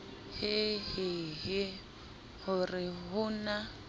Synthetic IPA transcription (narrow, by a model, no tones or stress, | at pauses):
hɪhɪɣɪ | hʊrɪɦʊna